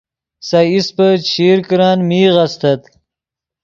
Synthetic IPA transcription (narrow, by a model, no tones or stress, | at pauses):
saispət͡ʃʰiːɾkɾɑːnmiːɣast̪ɐt̪